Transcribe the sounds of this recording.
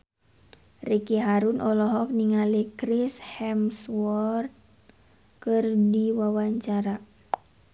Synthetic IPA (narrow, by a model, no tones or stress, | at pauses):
rikiɦaɾunʔɔlɔɦɔk̚niŋalikɾishɛmswɔrt̪̚ | kɨrdiwawaɲt͡ʃaɾa